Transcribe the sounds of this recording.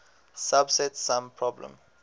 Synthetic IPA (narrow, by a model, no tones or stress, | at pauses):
sabsɛtsãmpʰɹɔblɛ̰̃m